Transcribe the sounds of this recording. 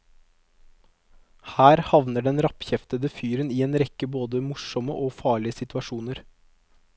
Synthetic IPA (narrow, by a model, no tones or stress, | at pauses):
hæːɾhɑʋnəɖɛnɾɑpçɛft̪əd̪əfyːɾənieːnɾɛkːəboːd̪əmʊʂɔmə̰ʔoːfɑːɭɪəsɪt̪ʉʋɑʃuːnəɾ